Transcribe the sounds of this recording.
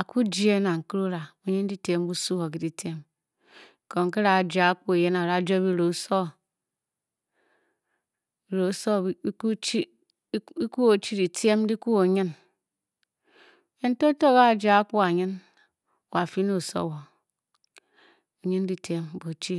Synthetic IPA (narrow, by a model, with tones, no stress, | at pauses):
a˨ku˦d͡ʒi˦e˦na˨ŋ̩˨ki˦ɾu˦ɾa˨o˨ɲi˦n˦di˦te˦m˦bu˦su˦wo˨k̬i˦di˨tje˦m˨ | ko˨ŋ̩˨ke˦ɾa˨d͡ʒa˨a˦k͡pu˦e˨je˦na˨ɾa˨˦˨d͡ʒo˦bi˦ɾo˨˦so˦ | i˨ɾo˨˦so˦u˦t͡ʃi˦ | i˦ku˦o˨˦t͡ʃi˦di˨ti˦e˦m˦di˦ku˦o˨ɲi˦n˨ | je˦n̩˦to˦to˦˨ka˦˨d͡ʒa˨a˦ku˦a˨ɲi˦n˨ | wa˨fi˦no˦˨so̰˦˨wo˨ | o˨ɲi˦n˦di˦tʰe˨m˦bo˨t͡ʃi˦